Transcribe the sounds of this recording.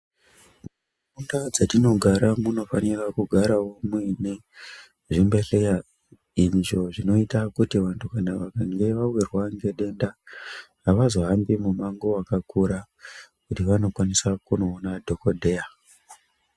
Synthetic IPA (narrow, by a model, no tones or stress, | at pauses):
muu | fundad͡zatino̞ɡʱaɾamuno̞fanirakuɡʱaɾawomwene | ʐimbeɬeja | inʐo̞ʐino̞itakutiʋantʰukanaʋakaŋɡe̞ʋawirwaŋɡe̞ɗe̞ndaɦaʋazo̞ɦambimumaŋɡoakakuɾa | kutiʋano̞kwanisakuno̞ːnadʱo̞kodʱe̞ja